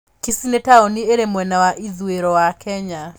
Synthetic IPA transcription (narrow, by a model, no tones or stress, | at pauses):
kisinetaonieɾemwɛnawaʔiðueɾɔwakʰɛɲa